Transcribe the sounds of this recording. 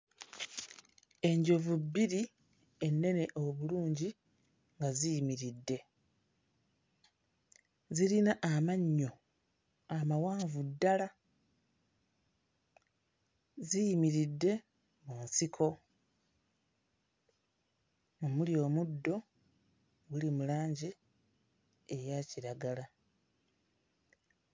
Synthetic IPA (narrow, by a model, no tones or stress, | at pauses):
e̞ɲɟo̞vubːiɾi | e̞nːe̞ne̞ʔo̞βuluːɲɟi | ŋɡazijimiɾidːe̞ | ziɾinaʔamaɲːo̞ | amawaːɱvudːala | zijimiɾidːe̞ | muːnsikʰo̞ | omuljo̞ːmudːo̞ | wulimulaːɲɟi | ejaciɾaɡala